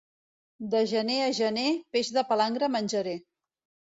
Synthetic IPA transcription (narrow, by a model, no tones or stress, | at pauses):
d̪əʒəneəʒənepeʒðəpəlaŋɡɾəmənʲʒəɾe